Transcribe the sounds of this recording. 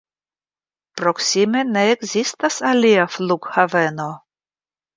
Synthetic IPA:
pɾoksimeneːkzistasaliafluɡhaveno

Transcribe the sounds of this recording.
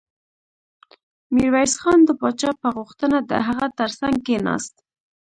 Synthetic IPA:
miɾwajsxɑnd̪əpɑt͡ʃɑpəɣuxt̪ənad̪ə̰ɦaɣat̪əɾsaŋɡ̚kenɑ̰st̪̚

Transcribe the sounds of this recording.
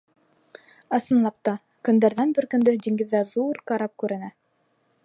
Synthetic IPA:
ɑsɤ̆nlˠɑp̚t̪ɑ | kɵ̆nd̪æɾðænbɘɾkɵ̆nd̪ɵd̪iŋɡɘ̆ðːæðuɾqɑɾɑp̚kʉɾɘ̆næ

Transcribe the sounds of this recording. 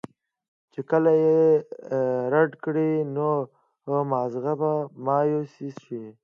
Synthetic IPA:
t͡ʃekəlaje | ɾaɖkɽino | mɑːzɣabamɑːjosisʃi

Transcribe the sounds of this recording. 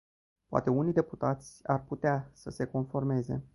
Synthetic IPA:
poa̰t̪e̞unijd̪e̞put̪at̪sʲarput̪easəse̞ko̞nfo̞rme̞ze̞̰

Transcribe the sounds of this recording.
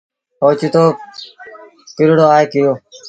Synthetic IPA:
poːt͡ʃiːt̪oː | kɪɾɽoːaːeːkɪjoː

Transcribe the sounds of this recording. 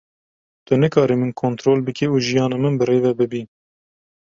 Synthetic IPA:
t̪ʊnɨkɑːɾimɨnkʰoːnt̪ɾoːlbɨkiuːʒijɑːnɑmɨnbɨɾeːvɛbɨbi

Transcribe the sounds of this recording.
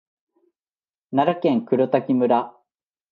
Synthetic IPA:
naɾakẽŋkɯ̟ɾɯt̪akʲimɯ̟ɾa

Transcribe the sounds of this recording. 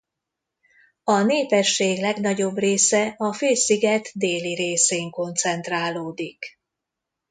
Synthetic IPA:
ɒneːpɛʃːeːɡlɛɡnɒɟo̞breːsɛɒføːsiɡɛt̪d̪eːliɾeːseːŋko̞nt̪sɛnt̪raːloːd̪ik

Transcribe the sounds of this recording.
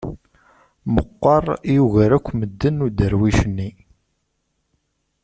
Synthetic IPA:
məqːɑrˤjuɣəɾækʷːməd̪ːənːud̪əɾwiʃənːi

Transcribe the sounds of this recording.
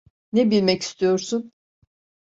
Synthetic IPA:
nebilʲmɛci̥st̪ʰijo̞ɾsun

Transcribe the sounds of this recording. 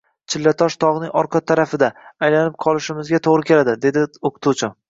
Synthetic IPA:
t͡ʃʰɪlːat̪ʰɒʃt̪ʰɒʁnɪŋɒɾqʰɑt̪ʰːaɾafɪd̪aːjlanɪp̚qʰɒlˠɪʃɪmɪzɡʲat̪ʰoʁɾɪkʲʰe̞lad̪ɪd̪e̞d̪ɪoqʰʊ̥t̪ʰut͡ʃʰɪ

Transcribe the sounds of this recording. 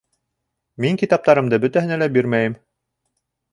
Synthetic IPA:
miŋkit̪ɑp̚t̪ɑɾɤ̆md̪ɤbɵ̆t̪æɦɘ̆nælæbiɾmæjɘm

